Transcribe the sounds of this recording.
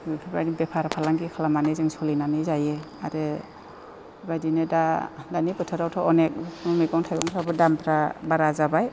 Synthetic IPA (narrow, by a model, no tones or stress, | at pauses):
pʰapɾadibepʰaɾapʰalaŋɡikʰalamanɯzɯŋsɔlinanɯzaje | aɾɯ | bajdinɯdadanipɯtʰɯɾawtʰɔɔnek̚mɔmeɡɔŋtʰajɡɔŋtʰɾabɯdampʰɾabaɾazabaj